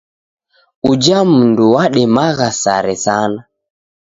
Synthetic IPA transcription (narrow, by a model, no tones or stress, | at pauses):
ud͡ʒam̩nduwaɗɛmaɣasa̰ɾɛsana